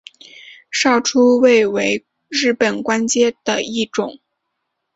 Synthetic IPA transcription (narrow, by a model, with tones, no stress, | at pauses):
ʂɑ˥˩ʊʈ͡ʂʰu˥we˥˩ɪwe˧˥ɪ | ɻɻ̩˥˩pə˨˩nkwa˥nt͡ɕjɛ˥d̪̥ə˨i˥˩ʈ͡ʂʊ˨˩˦ŋ